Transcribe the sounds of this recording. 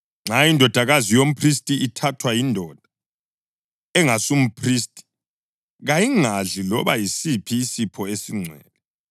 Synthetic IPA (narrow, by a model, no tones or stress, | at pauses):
ŋ͡ǁʱajindʱɔd̥ʱaɣazijom̩pʰris̬tʼiʔitʰatʰwajindʱɔd̥ʱa | ɛŋasum̩pʰriːstʼi̥ | ɣajiŋaɮilɔβajisipʰiːsipʰɔesiŋ͡ǀʱɛ̰ːlɛ